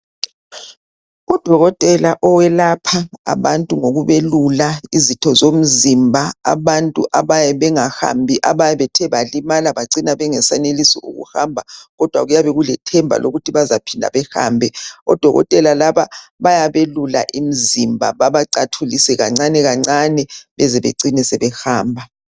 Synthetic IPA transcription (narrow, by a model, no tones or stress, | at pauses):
ud̥ʱɔɣɔtʼɛlaʔɔwɛlapʰaa̰βantʼuŋoɣuβelulaizitʰɔzom̩zimbʱaa̰βantʼuʔaβajɛβɛŋaha̰mbʱiʔaβajɛβɛtʰɛβalimalaβaǀinaβɛŋɛsanelisiṵɣṵhambʱaɣɔd̥ʱwa̰ɣujaβɛɣulɛtʰɛmbʱa̰lʔo̰ɣutʰiβazapʰindʱa̰βɛxa̰ːmbʱɛɔ̰d̥ʱɔɣɔ̰tʼɛlalaβaβajaβelula̰ʔim̩zimbʱa̰βaβaǀatʰulisɛɣa̰ŋ͡ǀanɛɣaŋ͡ǀanɛβɛzɛβḛǀinɛsɛβɛxaːmbʱa